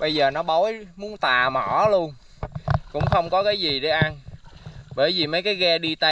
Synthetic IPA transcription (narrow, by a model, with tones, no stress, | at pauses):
ɓə˧jzəː˨˩nɔ˨˦ɓɔ˨˦jmu˨˦ənt̪aː˨˩mɔ˧˩lu˧ən | kʊ̰˧˥ŋ͡mxə˧wŋ͡mkɔ˨˦kaː˨˦jzi˨˩ɗe˨˦ʔa˧n | ɓəː˧˩jzi˨˩mə˨˦jkaː˨˦jɣɛː˧ɗi˧t̪a˧